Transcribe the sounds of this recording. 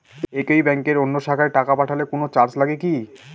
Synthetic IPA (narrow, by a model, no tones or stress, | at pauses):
ekejbɛŋkeɾonːoʃakʰaeʈakapaʈʰalekonot͡ɕaɾt͡ɕlaɡeki